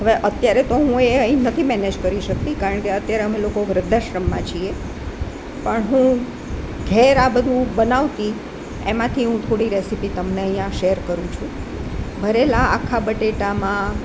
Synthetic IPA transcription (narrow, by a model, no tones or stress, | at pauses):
ɦəʋeʔət̪jaɾet̪oɦũeəĩnət̪ʰimɛned͡ʒkəɾiʃək̚t̪ikaɾəɳkeət̪jaɾeɦəmelokoʋɾəd̪ʱaʃɾəmːãt͡ʃʰie | pəɳɦũ | ɡʱɛɾabəd̪ʱũbənaʋt̪i | emãt̪ʰiɦũt̪ʰoɽiɾesipit̪əmneə̃ɦjjãʃeəɾkəɾũt͡ʃʰũ | bʱəɾelaakʰːabəʈeʈamã